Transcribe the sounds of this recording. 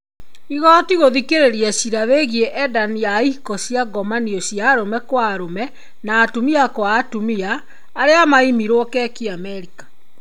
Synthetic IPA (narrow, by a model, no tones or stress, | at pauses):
iɣɔtiɣoðikeɾeɾiɛsiɾaβeɣieʔɛdaniaihikɔsiaɡɔmaniɔsijaːɾomɛkwaɾomɛ | naːtumiakwaːtumiaː | ɾeamaimiɾwɔkɛkiamɛɾikḁ